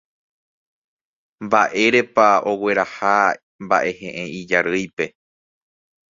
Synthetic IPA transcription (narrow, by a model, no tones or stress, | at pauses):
mbaʔe̞ɾe̞pao̞we̞ɾaha | mba̰ʔe̞hẽ̞ʔẽid͡ʒaɾɨjpe̞